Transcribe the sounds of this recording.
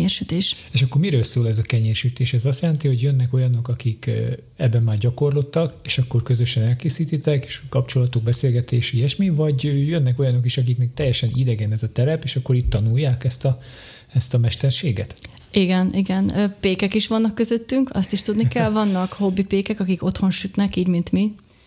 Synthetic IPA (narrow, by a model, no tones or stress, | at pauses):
erʃyt̪eːʃeːʃɒkːo̞rmiɾøːlsoːlɛzɒkɛɲeːrʃyt̪eːʃɛzɒst̪jɛlɛnt̪iho̞ɟjønːɛko̞jɒno̞kɒkik | ɛbːɛmːaːrɟɒko̞rlo̞t̪ːɒkeːʃɒkːo̞rkøzø̞ʃɛnɛlkeːsiːt̪it̪ɛke̥ːʃkɒpt͡ʃo̞lɒt̪oɡ̚bɛseːlɡɛt̪eːʃiɛʃmivɒɟøjønːɛko̞jɒno̞kiʃɒk̬ikmit̪ɛjːɛʃɛnid̪ɛɡɛnɛzɒt̪ɛɾɛpeːʃɒkːo̞ɾiːt̪ːɒnujːaːkɛst̪ɒ | ɛst̪ɒmɛʃt̪ɛrʃeːɡɛ̰t̪ | iɡɛniɡɛnːpeːkɛkiʃʋɒnːɒkːøzøt̪ːyŋkɒ̰st̪iʃt̪ud̪nikɛlvɒnːɒkho̞bːipeːkɛkɒkiko̞t̪ho̞nʃyt̪nɛkiːɟmint̪mi